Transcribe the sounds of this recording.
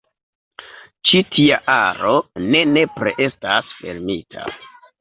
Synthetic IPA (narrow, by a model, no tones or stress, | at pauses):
t͡ʃitʰia̰ʔaɾo̞ne̞ne̞pɾḛʔe̞stasfe̞̰ɾmitʰa̰